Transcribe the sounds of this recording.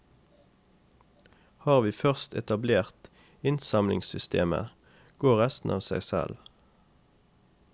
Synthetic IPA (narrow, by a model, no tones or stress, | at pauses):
hɑːʁʋiːfœʁst̪ɛt̪ɑbleːʁt̪ | ɪnsɑmlɪŋsʏst̪eːmə̰ | ɡ̥oːʁɛst̪n̩ʔɑ̰ːʋsæɪsɛ̰l